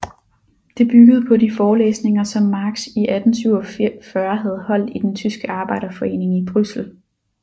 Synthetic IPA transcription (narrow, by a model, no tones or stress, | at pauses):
d̥e̝b̥yɡ̥əð̞̩ˠpʰɒ̽difɒːlḛːsne̝ŋɐsɒ̽mːɑ̈ːɡ̥siʔæd̥n̩t͡sʰyʊɒfɶɐɦæð̞̩ˠhɒ̽l̰d̥id̥ent͡sʰysɡ̥əɑ̈ːb̥ɑ̈ɪɾ̥ɐfɒ̽e̝̰ːne̝ŋib̥ʁysl̩